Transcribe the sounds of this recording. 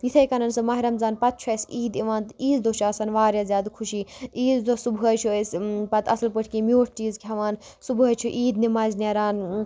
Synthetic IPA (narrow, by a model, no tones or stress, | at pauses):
jit̪ʰɐjkɐnɐnsɨmɐːɦiɾɐmzaːnpɐt̪̚t͡ʃʰɐsʲiːd̪iʋaːnt̪iːzd̪ot͡ʃʰaːsɐnʋaːɾjazʲjaːd̪kʰuʃiːiːzd̪osubʱɦɐt͡ʃʰuspɐt̪ʰɐsɐlpɨʈʰkimjoːʈ̚ʰt͡ʃiːzkʰʲɦɐʋaːn | subɐt͡ʃʰuʔiːd̪nimaːznʲɐɾaːn